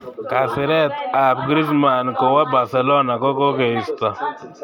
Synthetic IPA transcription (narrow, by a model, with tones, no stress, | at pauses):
ka˨sɪ˨ɾɛ˦t̪a˨pɡɾi˦s̬ma˨nkɔ˨wa˦ba˨ɾsɛ˨lɔ˦na˨kɔ˦ko˦ke˨ɪ˨st̪a˨